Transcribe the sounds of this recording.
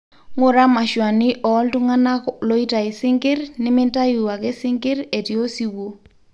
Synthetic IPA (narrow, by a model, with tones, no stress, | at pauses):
ŋʊ˦ɾa˦ma˨ʃwa˨nɪ˦ʔɔ˨˦ltu˦ŋa˦na˦lo˦i˦ta˨ɪ˨sɪ˦ŋkɪ˦rnɪ˦mɪ˦nta˦i˨wa˨ke˦sɪ˦ŋkɪ˦ɾe˨ti˨o˦si˨wo˦